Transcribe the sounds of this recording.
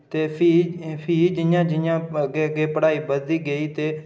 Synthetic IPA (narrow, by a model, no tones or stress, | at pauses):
t̪eːpʰiːpʰiːd͡ʒɪjãːd͡ʒɪjãːɡeːəɡeːpəɽaːiːbəiːɡəiːt̪eː